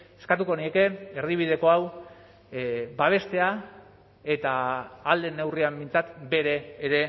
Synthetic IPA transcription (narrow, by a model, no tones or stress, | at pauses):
e̞skat̪uko̞nie̞ke̞erðiβ̞ið̞e̞ko̞aw | baβ̞e̞st̪e̞a | e̞t̪aːld̪e̞ne̞wriambint͡sat̪be̞ɾe̞ːɾe̞